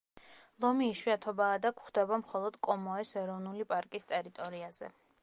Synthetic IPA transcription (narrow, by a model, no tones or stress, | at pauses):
lˠɔmiːʃwiat̪ʰɔbaːd̪akʰχd̪ɛbamχɔlˠɔd̪̥kʼɔmɔɛsɛɾɔvnulipʼaɾkʼist̪ʼɛɾit̪ʼɔɾiaz̥ɛ̰